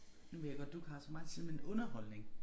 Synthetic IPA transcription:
nuʋe̝jaɡ̥ɒ̽d̥ːukʰɑ̈sɒmɑ̈ɪt͡sʰiðˠmenɔ̽nɐhɒ̽l̰ne̝ŋ

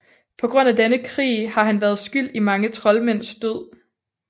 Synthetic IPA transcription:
pʰɒ̽ɡ̥ʁɔ̽n̰æd̥enəkʰʁḭːhɑ̈ɦænʋæːɐð̞ˠsɡ̥yl̰d̥imɑ̈ŋət͡sʰʁɒ̽lmen̰sd̥øð̰ˠ

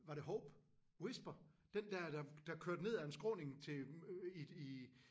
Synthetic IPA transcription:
ʋɑ̈ɾeɦɔʊb̥ | wesb̥ɐd̥end̥æd̥ɑ̈d̥ɑ̈kʰøɐd̥ne̝ð̰ˠæensɡ̥ʁɔ̰ːne̝ŋt͡sʰe̝ii

